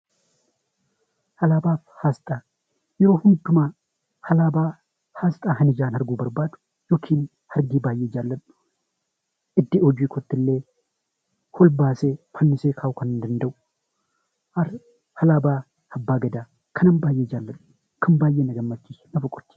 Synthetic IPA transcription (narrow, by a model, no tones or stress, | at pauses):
hɐlaːbaːfhaːst̪ʼaː | jɛɾoːhʊnd̪ʊmaː | hɐlaːbaː | haːst̪ʼaːɦɐnɪd͡ʒaːnhɐɾɡuːbɐɾbaːd̪ʊ̥ | joːkʰiːn | hɐɾɡiːbaːjːeːd͡ʒaːlːɐᶑʊ̥ | ʔɪd̪ːɪɔd͡ʒiːkʰɔt̪ːɪlːeː | hɔlbaːseːfɐnːɪseːkʰaːwʊkɐnnd̪ɐnd̪ɐʔʊ̥ | ʔɐɾ | hɐlaːbaː | hɐbːaːɡɐd̪aː | kʰɐnɐnbaːjːeːd͡ʒaːlːɐᶑʊ̥ | kʰɐnbaːjːeːnɐɡɐmːɐt͡ʃːiːnɐfɐkʼːɔ̥t̪ːi̥